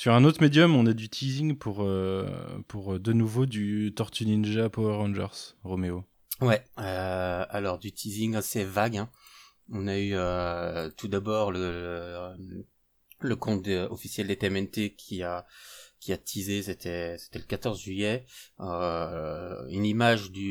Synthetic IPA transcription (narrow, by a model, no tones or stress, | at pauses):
syʁɛ̃not̪χmed̪jɔmɔ̃nad̪yt̪ʰiziŋpʰuʁø | pʰuʁd̪ənuvod̪yt̪ɔʁt̪yninʒapoʁɑ̃ʒɛ̰ʁsʁomeo | wɛøalɔʁd̪yt̪ʰiziŋasevaɡɛ̃ | ɔ̃nayøt̪ud̪abɔʁlələ | ləkɔ̃t̪d̪ɔfisjɛld̪et̪eɛmɛnt̪ekʲʰiakʲʰiat̪ʰizeset̪ʰɛse̥t̪ɛləkat̪ɔʁzʒɥyjɛø | ynimaʒd̪y